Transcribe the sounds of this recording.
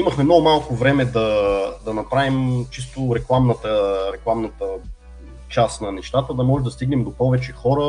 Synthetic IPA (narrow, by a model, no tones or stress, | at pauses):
imɐxmɛmnɔɡʊmalˠkʊvɾɛmɛd̪ɐd̪ɐnɐpɾavimt͡ʃist̪ʊɾɛklˠamnət̪əɾɛklˠamnət̪ə | t͡ʃast̪nɐnɛʃt̪at̪əd̪ɐmɔʒɛmd̪ɐst̪iɡnɛmd̪opɔvɛt͡ʃɛxɔɾə